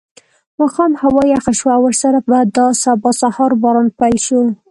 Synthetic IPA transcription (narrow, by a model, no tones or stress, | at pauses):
mɑxɑmhawɑjaxaʃwaawəɾsaɾabad̪əsabɑsahɑɾbɑɾɑnpajlʃu